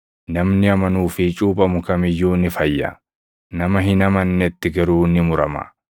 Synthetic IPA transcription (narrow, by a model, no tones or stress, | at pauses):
nɐmnɪɐmɐnuːfɪt͡ʃʼuːpʼɐmʊkɐmɪjːuːnɪfɐjːɐ̰ | nɐmɐɦɪnɐmɐnːɛt̪ːɪɡɐɾuːnɪmʊɾɐmɐ̰